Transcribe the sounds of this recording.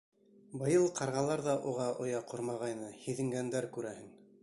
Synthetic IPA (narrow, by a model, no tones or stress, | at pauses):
bɤ̆jɤlˠqɑɾʁɑlˠɑɾðɑʔuʁɑʔŏjɑqʰoɾmɑʁɑjnɤhiðɘ̆ŋɡænd̪æɾkʉɾæhɘŋ